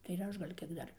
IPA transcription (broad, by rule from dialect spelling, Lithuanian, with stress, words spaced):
tɐɪ ɪr ˈɐʃ ɡɐlʲ ˈkʲiɛk ˈdɐr